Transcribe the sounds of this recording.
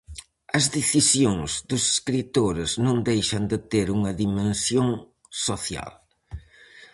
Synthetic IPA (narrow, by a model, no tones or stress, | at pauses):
ɐzðeθisjoŋzðʊse̥skɾit̪oɾɪznõŋd̪ejʃɐnd̪ɪt̪eɾuŋɐðimẽnsjoŋ | soθja̰l